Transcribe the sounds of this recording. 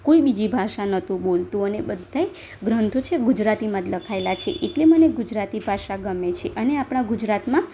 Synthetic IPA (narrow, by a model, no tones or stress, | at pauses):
koibid͡ʒibʱaʃanət̪ũɓolt̪ũənebəd̪ʱːae | ɡɾənt̪ʰot͡ʃʰeɡud͡ʒɾat̪imə̃t̪ləkʰaelat͡ʃʰḛʔeʈleməneɡud͡ʒɾat̪ibʱaʃaɡəmet͡ʃʰeʔəneapɽ̃aɡud͡ʒɾat̪mã